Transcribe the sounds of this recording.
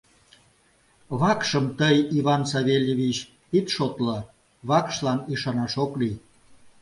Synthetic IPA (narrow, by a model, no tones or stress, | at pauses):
βɑkʃəmt̪əjiβɑnsɑβelʲjeβit͡ɕ | it̪ʃot̪lə | βɑkʃlɑniʃɑnɑʃokli